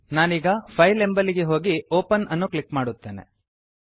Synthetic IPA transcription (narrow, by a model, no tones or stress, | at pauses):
naːniːɡɐpʰɐjle̞mbɐliɡeɦo̞ːɡioːpɐnɐnːuklikmaːɽut̪ːe̞ːne̞̰